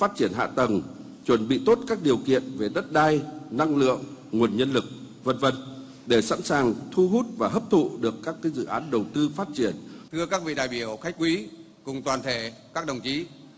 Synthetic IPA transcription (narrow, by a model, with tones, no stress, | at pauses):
faː˦˥t̚t͡ɕi˧˩ənɦa̰ː˧˨t̪ə˨˩ŋ | t͡ɕwə˨˧˩nɓḭ˧˨t̪o˦˥t̚kaː˦˥k̚ɗi˨˩əwkḭ˧˨ənve˨˩ɗə˦˥t̚ɗaː˧jna˧ŋlɨ̰˧˨əŋŋu˨˩ənɲə˧nlɨ˨˩k̚ | və˧nvə˧n | ɗe˧˩sa̰˧˥nsaː˨˩ŋt̪ʰu˧ɦu˦˥t̚vaː˨˩ɦəː˦˥p̚t̪ʰṵ˧˨ɗɨ˨˩əkːaː˦˥kːaː˨˦jzɨ̰˧˨ʔaː˨˦nɗə˨˩wt̪ɨ˧faː˦˥t̚t͡ɕi˧˩ənt̪ʰɨ˧əkaː˦˥k̚vḭ˧˨ɗa̰ː˧˨jɓi˧˩əwxa˦˥jk̚kwi˨˦ | kʊ˨˩ŋ͡mt̪waː˨˩nt̪ʰe˧˩kaː˦˥k̚ɗə˨˩wŋ͡mt͡ɕi˨˦